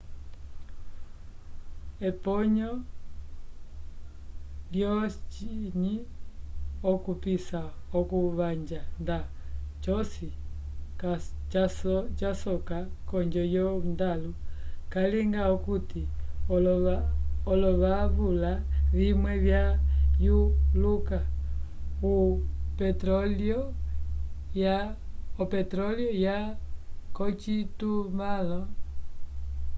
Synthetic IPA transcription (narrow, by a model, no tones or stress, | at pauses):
ɛpɔɲɔ | ljɔt͡ʃiɲi | ɔkupisaɔkuβaɲd͡ʒandat͡ʃɔsi | ka | t͡ʃasɔkakɔɲd͡ʒɔjɔndalukaliŋɡaukutiɔlɔaɔlɔβaβulaβimwɛβjajuluka | upɛtɾɔliɔ | jaɔpɛtɾɔljɔja | kɔt͡ʃitumalɔ